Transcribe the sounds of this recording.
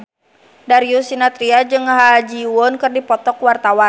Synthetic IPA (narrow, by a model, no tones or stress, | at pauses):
daɾiusinat̪ɾiad͡ʒɨŋɦad͡ʒiwɔnkɨrdipɔt̪ɔkwart̪awan